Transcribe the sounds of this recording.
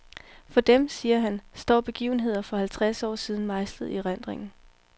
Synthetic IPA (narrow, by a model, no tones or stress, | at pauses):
fɒ̽d̥emsiːɐɦænsd̥ɒ̰ːb̥e̝ɡ̥ḭːʊn̩ɦe̝ð̰ˠɐfɒ̽hælt͡sʰʁasɒ̰ːsiːð̞ˠn̩mɑ̈ɪsl̥ð̩ˠiʁan̰d̥ʁeŋn̩